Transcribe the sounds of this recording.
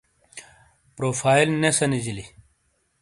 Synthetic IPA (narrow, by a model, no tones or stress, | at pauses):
pɾoːfaːilnesɐnid͡ʑili